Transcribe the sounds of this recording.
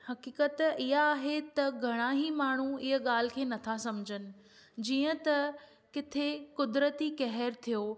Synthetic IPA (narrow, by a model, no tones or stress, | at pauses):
hɐkiːkət̪ɪɦaːɦet̪ɐɡʱɐɽ̃aɦimaːɳ̤uɪɦə̆ɠaːl̤ɪ̆kʰeːnɐt̪ʰasɐmd͡ʑʱənɪ̆ | d͡ʑiːə̃t̪ɐ | kɪt̪ʰekʊd̪ɾət̪ikɛɦɾt̪ʰijoː